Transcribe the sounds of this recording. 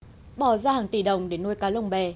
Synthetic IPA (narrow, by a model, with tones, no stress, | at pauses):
ɓɔ˧˩zaː˧haː˨˩ŋt̪i˧˩ɗə˨˩wŋ͡mɗe˨˧˦nu˧jkaː˨˦lə˧wŋ͡mɓɛ˨˩